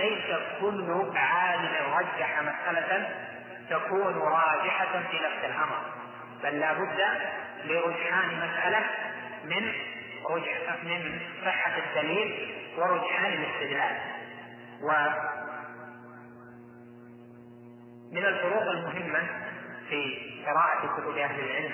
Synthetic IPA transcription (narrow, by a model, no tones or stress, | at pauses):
lajsakʊlːʊʕaːlɪmɪnɾˤɑd͡ʒːaħamasʔalan | t̪akuːnɾˤɑːd͡ʒɪħafiːlafsɪlʔɑmɾˤ | b̥alːaːbʊd̪ːa | lɪɾˤʊd͡ʒħaːnmasʔala | mɪn | ɾʊd͡ʒħamɪnsˤɨħːaɪt̪ːaliːmwɪɾˤʊd͡ʒħaːnɪlɪst̪ɪd̪laːl | wa | mɪnalfʊɾuːɣalmʊɦɪmːafiːqɨɾɑːʔakʊt̪ʊbʔahlɪlʕɪlm